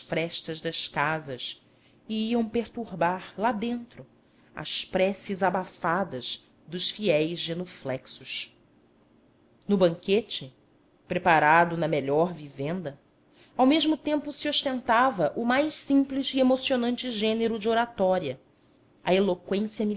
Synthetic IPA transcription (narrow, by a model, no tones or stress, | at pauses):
sfɾɛʃt̪ɐʒd̪ɐʃkazɐs | iiɐ̃w̃peɾt̪uɾbaɾlad̪ẽnt̪ɾʊ | ɐ̰spɾɛsizabafad̪ɐz | d̪ʊʃfiɛjzʒenoflɛksʊʃ | nʊbɐ̃ŋket͡ʃɪ | pɾepaɾad̪ʊnɐmeʎɔɾvivẽnd̪ɐ | awmeʒmʊt̪ẽmpʊsioʃt̪ẽnt̪avɐʔʊmajʃsĩpliziemosionɐ̃nt͡ʃɪʒẽneɾʊd͡ʒɪoɾat̪ɔɾiɐ | ɐelokwẽsiɐmi